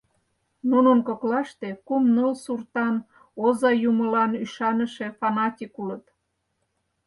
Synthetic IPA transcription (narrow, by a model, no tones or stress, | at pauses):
nunənkoklɑʃt̪e̽kumnəlsurt̪ɑn | ozɑjuməlɑnyʃɑnəʃefɑnɑtʲikulət̪